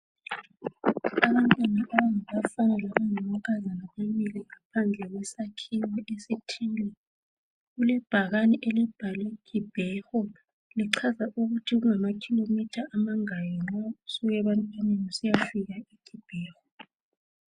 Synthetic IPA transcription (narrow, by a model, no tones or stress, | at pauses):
aβantʼwanaʔaβaŋaβafanɛlaβaŋamukʰazanaβaβiliŋapʰand͡ɮʱɛɣwɛsakʰiwaʔesitʰilɛ | ɣulɛb̥ʱaɣaniʔɛlɛb̥ʱalikʰib̥ʱɛxɔ | liǀʰazaʔuɣutʰiɣuŋamakʰilomitʰaʔːmaŋajɔnausuɣɛβantʼanenusijafiɣaiɡ̥ʰib̥ʱɛːxɔ